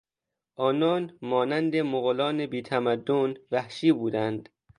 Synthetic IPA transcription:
ʔɒːnɒːnmɒːnænd̪emoɣolɒːnebiːt̪ʰæmæd̪ːonvæhʃiːbuːd̪ænd̪̥

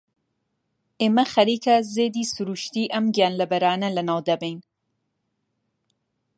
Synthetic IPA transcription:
ʔeːmɐxɐɾiːkʰɐzeːd̪iːsuɾuːʃt̪iːʔɐmɡijaːnlɐbɐɾaːnɐlɐnaːwd̪ɐbejn

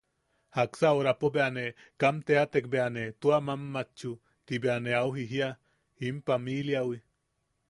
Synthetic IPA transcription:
haksaoɾapobeane | kamt̪eat̪ek̚beanet̪uamamːat͡ʃu | t̪ibeaneawɦiɦia | impamiljawi

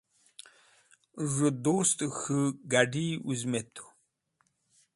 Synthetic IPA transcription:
ʐəd̪ost̪xɨɡaɖiuzmet̪ʰo̥

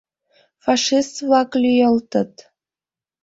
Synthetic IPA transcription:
fɑʂist̪vlɑklʲyjəlt̪ə̆t̪

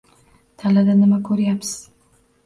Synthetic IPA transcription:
t̪ʰalad̪anɪmakʰɵɾjapsɪz̥

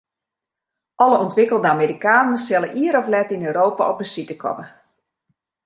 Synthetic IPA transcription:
ʔɔləɔntʋɪkəlˠdəameːɾikaːnəsɛləʔiəɾɔflɛtinøːɾoːpa̰ʔɔp̚dəsitəkʰɔ̰mə

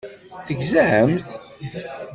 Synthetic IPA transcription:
θəɡzəʕəmθ

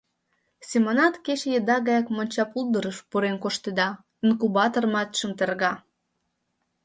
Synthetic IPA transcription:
sʲemonɑt̪keɕejəd̪ɑɣɑjɑkmonʲt͡ɕɑpulˠd̪əɾəʃpuɾenkoʃt̪ed̪ɑ | inkubɑt̪ormɑt̪ʃə̆mt̪ərɣɑ

